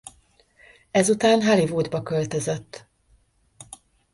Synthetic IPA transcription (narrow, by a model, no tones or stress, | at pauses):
ɛzut̪aːnɦalivoːd̪bɒkølt̪øzøt̪ː